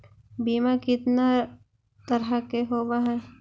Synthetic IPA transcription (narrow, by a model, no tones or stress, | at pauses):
biːmakɪt̪na | t̪ɐɾakeɦoːbaɦɛ